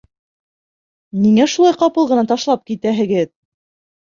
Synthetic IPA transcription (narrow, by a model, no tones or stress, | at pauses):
niŋæʃulˠɑjqɑpɤlˠʁɤ̆nɑt̪ɑʃlˠɑp̚kit̪æɦɘ̆ɡɘð